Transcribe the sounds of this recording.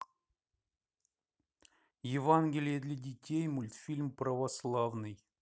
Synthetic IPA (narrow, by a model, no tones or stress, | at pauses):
jɪvanɡʲɪlʲɪjəd̪lʲɐdʲɪtʲejmʊlʲt̪fʲilʲmpɾəvɐslˠavnɨj